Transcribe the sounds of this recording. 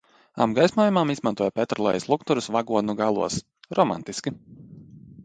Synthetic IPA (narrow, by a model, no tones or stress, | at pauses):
a̰mɡajsnuɔjumamizmant̪uɔjapʲɛt̪ɾlˠɛ̰jɛslˠukt̪uɾusvaɡuɔd̪nuɡalˠṵɔs | ɾɔma̰nt̪iskʲi